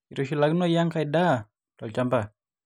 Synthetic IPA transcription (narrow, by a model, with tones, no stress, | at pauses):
i˨ɾo˨ʃi˨la˦ɡnu˦a˦ja˦ŋka˧jda˦ | tɔ˨t͡ʃa˦mba˨